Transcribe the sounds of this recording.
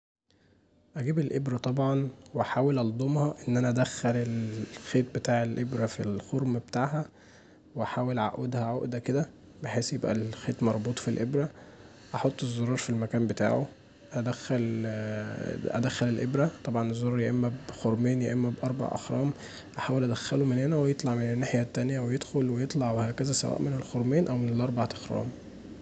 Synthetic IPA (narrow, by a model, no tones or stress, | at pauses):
ʔæɡiːbelʔebɾæt̪ˤɑbʕɑnwʔæħaːwelʔɑld̪ˤomhɑʔenːʔænæʔæd̪æxːælelxeːt̪̚bet̪aːʕelʔebɾæfilxoɾmbet̪aːʕɦæ | weʔæħaːwelʕa̰ʔed̪hæʕoʔd̪æked̪æ | beħeːsjebʔæ̰lxeːt̪mɑɾˤbuːt̪ˤfilʔebɾæ | ʔɑħot̪ˤːezˤːoɾˤɑːɾˤfilmækæːmbet̪a̰ːʕo | ʔæd̪æxæl | ʔæ̰d̪æxːælelʔebɾæt̪ˤɑbʕɑnezˤːoɾˤɑːɾˤjeʔemːæbxoɾˤmeːnjeʔemːæbʔɑɾˤbɑ̰ʕʔɑ̰xɾˤɑ̰ːm | ʔaħaːwelʔæd̪æxːælumenhenæwejet̪ˤlɑʕmenenːaħjæt̪ːænjæwejed̪xolwejet̪ˤlɑʕwehækæzæsæ̰wʔæ̰ːʔmenelxoɾˤmeːnʔæwmenelʔɑɾˤbɑʕʔ̪ɑxɾˤɑ̰ːm